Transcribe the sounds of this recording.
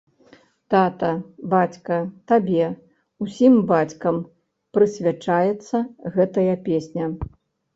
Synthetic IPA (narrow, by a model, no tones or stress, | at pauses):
t̪at̪ɐbat͡sʲkɐt̪abʲɛ | usʲimbat͡sʲkɐm | pɾɨsʲvʲat͡ʂajɛt̪sːɐɣɛt̪ɐjɐpʲesʲnʲɐ